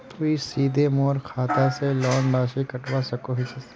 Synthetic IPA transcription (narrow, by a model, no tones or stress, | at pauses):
p̪ːisiːd̪ʱemoːɾkʰaːt̪aselɔːnɾaːʃikɐʈwasɐkoɦisɐ